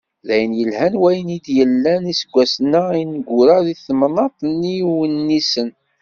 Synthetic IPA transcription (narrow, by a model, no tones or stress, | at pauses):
ðæjənjəlhænwæjənid̪jəlːænisəɡʷːæsnəinɡʷːʊɾəðiθmnɑt̪ˤnːiwənːisən